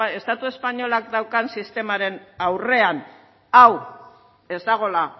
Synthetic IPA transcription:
e̞st̪at̪ue̞spaɲo̞lakd̪awkansist̪e̞maɾe̞nawre̞an | aw | e̞zd̪aɣ̞o̞la

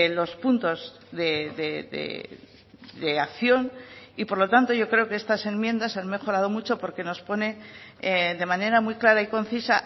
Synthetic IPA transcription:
lo̞spunt̪o̞z | ðeðeðḛ | ðeakθjo̞nipo̞ɾlo̞t̪ant̪o̞ʝo̞kɾe̞o̞kest̪ase̞nmje̞nd̪asanme̞xo̞ɾað̞o̞mut͡ʃo̞po̞ɾke̞no̞spo̞ne̞eðe̞mane̞ɾamujklaɾaiko̞n̟θisa

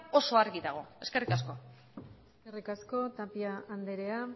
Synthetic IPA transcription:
o̞so̞aɾɣiðaɣ̞o̞e̞skerikasko̞ | eske̞rikasko̞t̪apiaːnd̪eɾe̞a

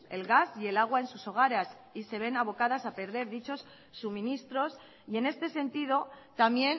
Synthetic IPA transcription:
e̞lɣasie̞laɣ̞wae̞nsuso̞ɣ̞aɾas | ise̞β̞e̞naβ̞o̞kað̞asape̞ɾð̞e̞ɾðit͡ʃo̞sː | umĩnist̪ɾo̞s | ie̞ne̞st̪e̞se̞nt̪ið̞o̞t̪amje̞n

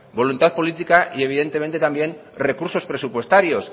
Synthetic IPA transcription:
bo̞lunt̪aθpolit̪ikaʔie̞β̞iðe̞nt̪eẽ̞nt̪et̪ambje̞nre̞kuɾso̞spɾe̞supwe̞st̪aɾjo̞s

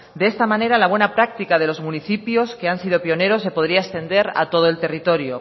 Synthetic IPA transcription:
d̪eest̪amãne̞ɾalaβ̞we̞napɾak̚t̪ikað̞e̞lo̞zmuniθipjo̞ske̞ansið̞o̞pio̞ne̞ɾo̞se̞po̞ð̞ɾiaest̪e̞nd̪e̞ɾa̰t̪o̞ð̞oe̞lt̪e̞rit̪o̞ɾjo

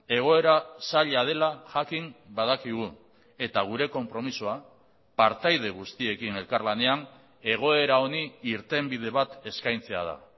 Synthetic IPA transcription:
e̞ɣ̞o̞e̞ɾasaʎað̞e̞laʝakimbað̞akiɣ̞u | e̞t̪aɣ̞uɾe̞ko̞mpɾo̞misoa | paɾt̪ajð̞e̞ɣ̞ust̪ie̞kine̞lkaɾlane̞an | e̞ɣ̞o̞e̞ɾao̞niiɾt̪e̞mbið̞e̞βat̪e̞skajnt͡se̞a̰ð̞a̰

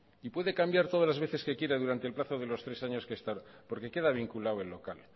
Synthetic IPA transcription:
ipwe̞ðe̞kambjaɾt̪o̞ð̞alazβ̞e̞θe̞ske̞kje̞ɾaðuɾant̪elplaθo̞ðe̞lo̞st̪ɾe̞saɲo̞skeːst̪aoɾpo̞ɾke̞ke̞ðaβiŋkulawe̞lːo̞kal

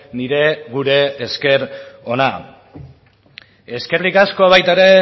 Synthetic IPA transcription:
niɾe̞ɣuɾe̞ːske̞ɾo̞na | e̞skeɾlikasko̞aβajt̪aeɾe̞

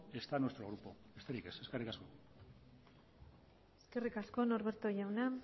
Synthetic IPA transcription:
e̞st̪anwe̞st̪ɾoɣ̞ɾupo̞est̪aɾike̞seskerikasko | eske̞rikasko̞no̞ɾβe̞ɾt̪o̞ʝawna

